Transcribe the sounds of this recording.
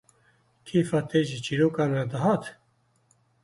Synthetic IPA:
kʰiːfɑːt̪ʰeːʒit͡ʃʰiːɾoːkɑːmɛd̪əɦɑːt̪

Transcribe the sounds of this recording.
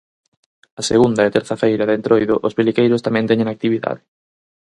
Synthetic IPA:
ɐseɣund̪ɐet̪ɛɾθɐfejɾɐðent̪ɾojðʊʔospilikejɾʊst̪amɛ̃nt̪ɛɲẽŋak̚t̪iβiða̰ðɪ

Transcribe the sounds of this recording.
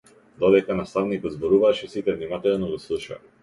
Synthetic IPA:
d̪ɔd̪ɛkanast̪avnikɔd̪zbɔɾuvaʃɛsit̪ɛvnimat̪ɛlˠnɔɡɔslˠuʃa̰

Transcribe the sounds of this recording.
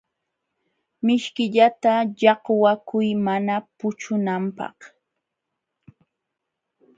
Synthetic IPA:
mɪʃkɪʎat̪aʎɑqwakʊjmanapʊt͡ʃʊnampɑ̰χ

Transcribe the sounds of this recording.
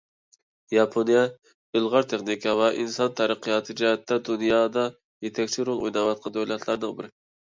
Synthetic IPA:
jɑpʰonjɛ | ɪlˠʁɑɾt̪ʰeχnikʰɑvɛʔinsɑnt̪ʰɑɾəqʰɨjɑt̪ʰɨd͡ʒɛjɛt̪ːɛd̪unjɑːd̪ɑ | jet̪ʰɛkʲt͡ʃʰiɾolˠojnɑwɑt̪̚qʰɑnd̪ojlɛt̪ʰlˠɑɾnɨŋbɪɾ

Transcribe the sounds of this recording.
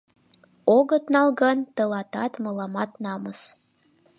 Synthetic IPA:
oɣət̪nɑlɣənt̪əlɑt̪ɑt̪mɤlɑmɑt̪nɑməs

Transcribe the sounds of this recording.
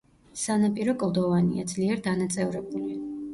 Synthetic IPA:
sanapʼiɾɔkʼlˠd̪ɔvanḭa̰d̪zliɛɾd̪anat̪sʼɛvɾɛbuli

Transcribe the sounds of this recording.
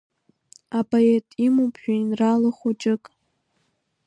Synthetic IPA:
apʼoetʼimupʒᶣonralɨχʷut͡ʃʼɨkʼ

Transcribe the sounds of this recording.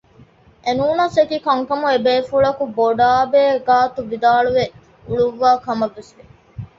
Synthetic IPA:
ʔenuːnɐsekikɐŋkɐmuebeːfuɭɐkuboɖaːbeːɡaːt̪uʋid̪aːɭuʋe | uɭuʋːaːkɐmɐʋːesʋe

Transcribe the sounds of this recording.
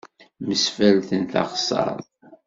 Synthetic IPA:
məsfælθənt̪ɑ̰χsˤɑ̰ɾˤɑ̰ðˤ

